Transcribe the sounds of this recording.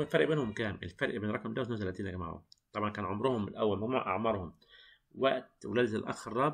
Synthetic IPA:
lfɑɾʔbeːnhʊmkæːmʔɪ̰lfaɾʔbenɾˤɑkɑmd̪awsnoːt̪ælæːt̪iːnʔæɡma̰ʕʊ̰t̪ˤɑbʕɑnkæːnʕʊmɾʊhʊmɪlʔæwːælmæɡmuːʕʔɑ̰ʕmɑɾˤhʊm | waʔt̪wlæːd̪zɪlʔɑ̰xɾˤɑːb

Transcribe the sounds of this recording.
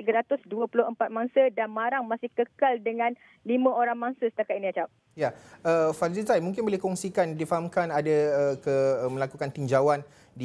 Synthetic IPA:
t̪iɡaɾat̪ʊsduəpulʊhəmpat̪̚maŋsədanmaɾaŋmasɪhkəkaldəŋãn | limə̃oɾaŋmaŋsəsə̥t̪akat̪iniat͡ʃap̚ | jaəfaddit̪ajmũŋk̬ɪnbolɪhkɔŋsikandifaɦamkanadaəkəmə̃lakukant̪iɲd͡ʒawan | di

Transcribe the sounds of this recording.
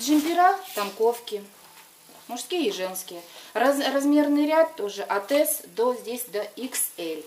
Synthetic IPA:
dʐɨmʲpʲɪɾat̪ɐmko̞fkʲɪ | mʊʂskʲijəiʐɛnskʲɪjərɐzrɐzmʲe̞rnɨjɾʲat̪ːo̞ʐɨʔɐt̪ɛsd̪ozʲdʲesʲd̪ɐiksɛlʲ

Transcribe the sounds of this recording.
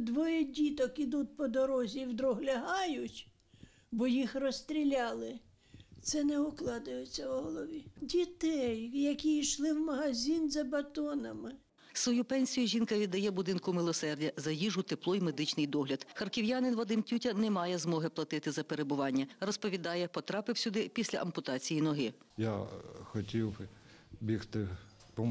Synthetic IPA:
d̪ʋɔjɛdʲit̪ɔkid̪ut̪̚ʲpɔd̪ɔɾɔzʲiwd̪ɾɔɦlʲɐɦɑjʊtʲ | bɔjixrɔst̪ɾʲilʲɑlˠɪ | t̪sɛnɛʊklˠɑd̪ʊjet͡sʲːɐwɦɔlˠɔʋʲidʲit̪ɛjjɐkʲiiʃlˠɪwmɐɦɐzʲinzɐbɐt̪ɔnɐmɪ | sʋɔjupɛnʲsʲijʊʒʲinkɐʋʲid̪ːɐjɛbʊd̪ɪnkʊmɪlˠɔsɛrdʲɐzɐjiʒʊt̪eplˠɔjme̞d̪ɪt͡ʃnɪjd̪ɔɦlʲɐd̪xɐrkɪwjanɪnʋɔd̪ɪmtʲutʲɐnɛmɑjɛzmɔɦɪplˠɐt̪ɪt̪ɪzɐpeɾebʊʋɑnʲːɐrɔspɔʋʲid̪ɑjɛpɔt̪ɾɑpɪwsʲʊd̪ɪpʲisʲlʲɐ̰ʔɐmpʊt̪ɑt͡sʲijinɔɦɪ | ja̰xɔtʲiw | bʲixt̪ɪ | pɔ

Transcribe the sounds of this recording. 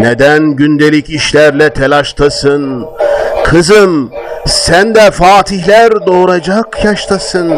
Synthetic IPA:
ned̪ænɟynd̪elʲiciʃlʲæɾlʲɛt̪ʰelʲaʃt̪ʰɯsɯn | kʰɯzɯmsænd̪ɛfaːt̪ʰihlʲæɾd̪o̞ːɾad͡ʒakʰjaʃt̪ʰasɯn

